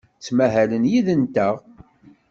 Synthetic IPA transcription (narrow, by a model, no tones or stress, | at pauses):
t͡sːmæɦælənjiðənt̪æʁ